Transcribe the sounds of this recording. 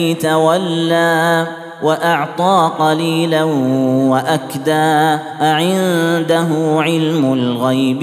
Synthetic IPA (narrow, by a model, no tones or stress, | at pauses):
t̪awalːaː | waʔɑʕt̪ˤɑːqɑliːlawaʔakd̪aː | ʕɪnd̪aɦʊʕɪlmʊlɣajb